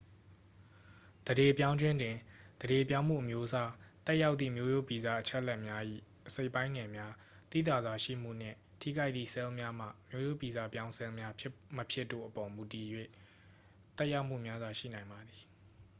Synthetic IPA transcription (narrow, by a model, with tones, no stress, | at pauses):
d̪̥əde˨pjã˦ʊ̃ɲd͡ʑwɪ̃˦ndɪ̃˨d̪̥əde˨p̬jã˦ʊ̃m̥ṵ˦˨ʔəmjo˦ʔəsa˦t̪ɛ˦ʔja˦ʊt̪ðḭ˦˨mjo˦jo˦˨pi˨za˦˨ʔət͡ɕʰɛ˦ʔlɛ˦ʔmja˦ʔḭ˦˨ʔəse˦˨ɪpːã˦ɪ̃ŋɛ˨mja˦ | t̪ḭ˦˨t̪a˨zwa˨ʃḭ˦˨m̥ṵ˦˨n̥ɪ̰̃˦˨ | tʰḭ˦˨ɡa˦ɪt̪ðḭ˦˨sɛ˦lmja˦m̥ä̰˦˨mjo˦jo˦pi˨za˦˨pjã˦ʊ̃nsɛ˦lmja˦məpʰjɪ˦tːo̰˦˨ʔəpɔ˨mu˨ti˨jwḛ˦˨ | t̪ɛ˦ʔja˦ʊʔm̥ṵ˦˨mja˦zwa˨ʃḭ˦˨nã˨ɪ̃mba˨d̪i˨